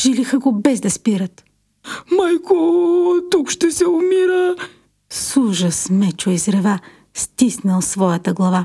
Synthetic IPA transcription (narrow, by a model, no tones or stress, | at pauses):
ʒ̥ilixəɡobɛzd̪ɐspiɾət̪ | majkot̪ukʃt̪ɛsɛʊmiɾə | suʒəsmɛt͡ʃoizɾɛva | st̪isnəlˠsvɔjət̪əɡlˠɐva